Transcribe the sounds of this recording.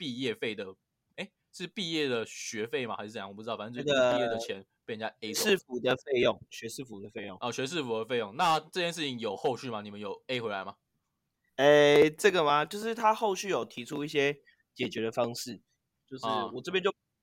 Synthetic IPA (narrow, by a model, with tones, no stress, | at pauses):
pi˥˧jɛ˥˧fe˥˩ɪd̪ə˩ | e˥˦ɪ˥ɻ̩˥˧pi˥˧jɛ˥˩d̪ə˩ɕɥɛ˧˥fe˥˩ɪma˨xa˧˥ʂ̩˥˧˥jpu˥˧˥ɑ˥˩fa˩˨˥ə˥i˧jɛ˥˩d̪ə˨t͡ɕʰjɛ˧˦npi˥˧˨nt͡ɕja˥˩e˨˩ɪʂɻ̩˥˩fu˨˥d̪ə˨fe˥˧ɪjɔ˥˩ŋɕɥɛ˧˥ʂɻ̩˥˩fu˨˩d̪ə˩fe˥˧ɪjo˥˩˨ŋɔ˧˩ɕɥɛ˧˥ʂ̬ɻ̩˥˩fu˨˩d̪ə˦fe˥˧ɪjo˥˩ŋna˥˨ʈ͡ʂɤ˥˧t͡ɕʰjɛ˥˧nʂ̬ɻ̩˥˩t͡ɕʰi˧˦ŋjo˨˩ʊxo˥˧ʊɕy˥˩ma˨˩ni˨˩mə˦njo˨˩ʊe˥ɪxwe˧˥la˧˦ɪma˨ | e˥˩ʈ͡ʂɤ˥˩ɡə˨ma˨t͡ɕjo˥˧ʊʂɻ̩˥˩t̪ʰa˦xo˥˧ʊɕy˥˩jo˨˩ʊt̪ʰi˧˥ʈ͡ʂʰu˦i˥˩ɕ̬jɛ˦˥ | t͡ɕjɛ˨˩t͡ɕɥɛ˨˧˥d̪ə˨fɑ˥˦ŋʂɻ̩˥˩ | t͡ɕjo˥˧ʊʂɻwɔ˨˩ʈ͡ʂə˥pjɛ˥nt͡ɕjo˥˨